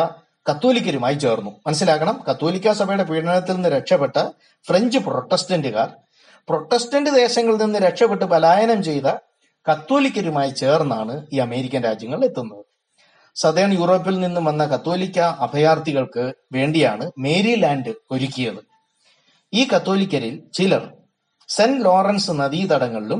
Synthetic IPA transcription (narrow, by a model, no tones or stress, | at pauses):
ɐ | kɐt̪ːo̞ːlikʲːɐɾumaːjit͡ɕe̞ːrnːumɐnɐs̬ːilaːkːɐɳɐmkɐt̪ːo̞ːlikʲːasɐbʱɐjuɽe̞piːɽɐnɐt̪ːilenːɨɾekʂɐpːe̞ʈːɐ | fre̞ɲd͡ʑɨpro̞ʈːestɐndɨɣaːr | pro̞ʈːestɐndɨd̪e̞ːɕɐŋːɐɭninːɨɾe̞kʂɐpːeʈːɨpɐlaːjɐnɐmt͡ɕe̞jt̪ɐ | kɐt̪ːoːlikʲːɐɾumaːjit͡ɕe̞ːrnːaːɳɨiːɐme̞ːɾikʲːɐnɾaːd͡ʑjɐŋːɐɭe̞t̪ːunːɐðɨ | sɐd̪eːɳjuːro̞ːp̬ːilninːumʋɐnːɐkɐt̪ːo̞ːlikʲːɐɐbʱɐjaːrt̪iɣɐɭkɨʋe̞ːɳɖijaːɳɨme̞ːɾilaːɳɖɨo̞ɾukʲːijɐðɨ | iːkɐt̪ːo̞ːlikʲːɐɾilt͡ɕilɐr | senlo̞ːrɐnsɨnɐðiːt̪ɐɽɐŋːɐɭilum